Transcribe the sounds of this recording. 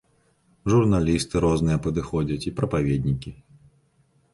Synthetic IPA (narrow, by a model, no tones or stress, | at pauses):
ʐurnalʲist̪ɨɾɔznɨjɐpɐd̪ɨxɔd͡zʲɐt͡sʲipɾɐpavʲed̪ʲnʲikʲi